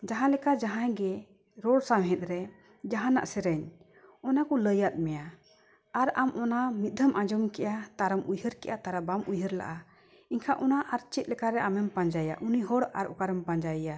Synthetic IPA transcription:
d͡ʒaɦãlɛkad͡ʒaɦãjɡɛ | ɾɔɽsamɦɛ̃t̪̚ˀɾɛ | d͡ʒaɦãna̰ʔsɛɾɛɲ | ɔnakɔləjat̪̚mɛja | aɾamʔɔnamit̪̚ˀd̪ʱəmʔãd͡ʒɔmkɛʔat̪aɾəmʔujɦəɾkɛ̰ʔat̪aɾabamʔujɦəɾla̰ʔa | iɲkʰaʔɔnaʔaɾt͡ʃit̪̚lɛkaɾɛʔamɛmpaɲd͡ʒaja̰ʔuniɦɔɽa̰ɾɔkaɾɛmpaɲd͡ʒaja

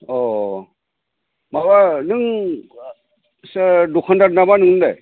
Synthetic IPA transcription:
ɔ | mawanɯŋ | sadɔkʰɔndaɾnamanɯŋnɯndaj

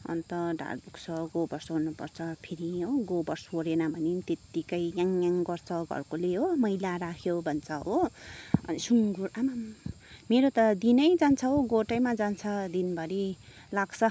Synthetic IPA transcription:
ʌ̰nt̪ʌɖʱa̰rbukt͡sʰʌɡobʌrsɦonːupʌ̰rt͡sʰʌpʰeɾiɦoɡobʌrsoɾenabʱʌnet̪et̪ikʌjjaŋjaŋɡʌrt͡sʰʌɡʱʌ̰rkoleɦomʌjlaɾakʰjobʱʌnt͡sʰʌɦoʌ̰nisuŋɡuɾamam | meɾot̪ʌd̪inʌjd͡zant͡sʰʌɦoɡoʈʌjmad͡zant͡sʰʌd̪inbʱʌɾi | laɡt͡sʰʌ

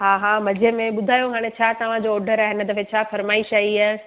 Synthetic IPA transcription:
ɦaːɦãmɐd͡ʑʱemẽɓʊd̪ʱaːjokʰaːɽ̃et͡ɕʰaːt̪ɐʋ̤ãd͡ʑoːɖʱəɾaːɦɪnɨt̪ɐfʰẽt͡ɕʰaːfɐɾmaːɪʃaːɦia

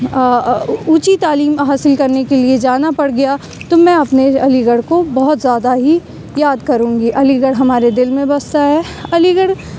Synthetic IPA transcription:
uːt͡ʃit̪aːliːmɦaːsɪlkɐɾnekelied͡ʒaːnapɐɽɡɐja | t̪omɛ̃ɐpneɐliɡəɽkobɐɦʊt̪zjaːd̪aɦi | jaːd̪kɐɾũːŋɡiʔɐliɡəɽɦɐmaːɾed̪ɪlmẽbɐst̪aɦɛː | ɐliɡəɽ

